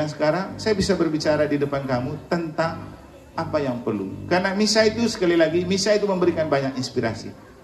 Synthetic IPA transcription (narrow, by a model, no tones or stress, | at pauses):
aŋs̬ə̥kaɾaŋsajabisabərbit͡ʃaɾadidəpankamut̪ənt̪aŋ | ʔapajaŋpərlṵkarənamisait̪usə̥kalilaɡimisait̪uməmbəɾikanbaɲakinspiɾa̰sḭ